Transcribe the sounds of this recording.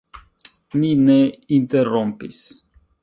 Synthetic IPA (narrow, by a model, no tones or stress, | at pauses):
mineint̪erompḭs